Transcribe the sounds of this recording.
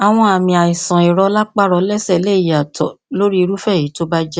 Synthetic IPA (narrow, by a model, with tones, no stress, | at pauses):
a˨w̃ɔ̃˧a˨mĩ˨a˨i˨sã˨i˨ɾɔ˧˦la˦k͡pa˦˨ɾɔ˧lɛ˦sɛ˦˨le˦˨a˨tʰɔ˨lo˦ɾi˦˧ɾu˦fɛ˦˨i˨˦to˦ba˦d͡ʒɛ˦